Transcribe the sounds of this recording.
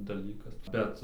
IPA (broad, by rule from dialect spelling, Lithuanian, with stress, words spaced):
dɐˈlʲiːkɐs ˈbʲɛt